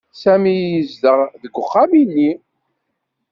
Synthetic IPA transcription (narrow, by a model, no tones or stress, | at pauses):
sæmijjəzd̪əʁðəɡʷːʊχːaminːi